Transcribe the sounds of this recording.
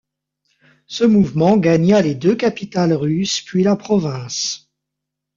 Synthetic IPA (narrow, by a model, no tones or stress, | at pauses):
səmuvmɑ̃ɡaɲaled̪økapit̪alʁyspɥilapχɔvɛ̃s